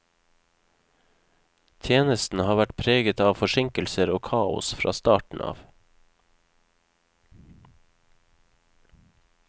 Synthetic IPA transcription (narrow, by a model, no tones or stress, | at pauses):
t̪ʰjeːnəst̪n̩hɑːʋæʈpʰɾeːɡət̪ɑːʋfɔʃɪŋkəlsəɾoːkʰɑːʊ̰sfɾɑ̰ːst̪ɑːʈɳ̩ʔɑ̰ːʋ